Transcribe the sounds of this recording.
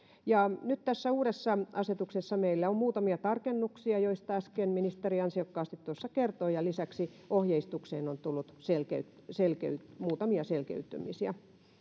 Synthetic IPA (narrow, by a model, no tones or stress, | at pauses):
jɑnyt̪t̪æsːæuːɾesːɑʔɑset̪uksesːɑmeilːæommuːt̪ɑmiɑt̪ɑrkenːuksiɑjoist̪ɑæskenminist̪eriɑnsiɑkːɑːst̪it̪t̪uosːɑkert̪oːjɑlisæksi | ohjeist̪ukseːnont̪ulːut̪selkḛyt̪selkḛyt̪muːt̪ɑmiɑselkḛyt̪ːy̰misiæ̰